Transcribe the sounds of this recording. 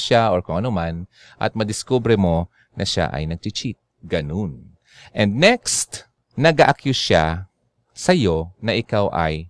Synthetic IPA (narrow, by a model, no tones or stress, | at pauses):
ʃaʔoɹkʊŋɐnoman | ʔɐ̰t̪̚mɐd̪ɪskobɾɛmo̞ | nɐʃa̰ʔɐ̰jnɐɡ̚t͡ʃɪt͡ʃit̪̚ | ɡɐnon | ʔɛnd̪̚nɛkst̪ | nɐɡaʔɐkjoʃa | sɐjo̞nɐʔɪkawʔɐ̰j